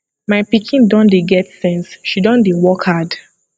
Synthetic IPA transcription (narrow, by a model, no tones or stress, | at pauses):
maɪpikʰĩndɔ̃ndeɡɛtsɛ̃nsʃidɔ̃ndewɔkhad